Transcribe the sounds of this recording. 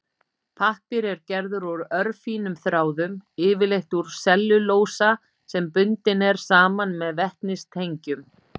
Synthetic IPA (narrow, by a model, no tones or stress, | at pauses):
pʰahpɪɾɛɾcɛɾðʏɾɔɾœɾfiːnʏmθɾaːwðʏmɪːvɪlejht̪uɾ̥sɛlːʏloːwsa | sɛmpʏnt̪ɪnɛɾ̥saːmanmɛðvɛht̪nɪst̪ʰejɲcʏm